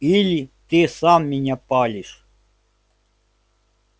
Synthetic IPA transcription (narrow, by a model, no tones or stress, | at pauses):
ilʲit̪isamːʲinʲapɑlʲiʂ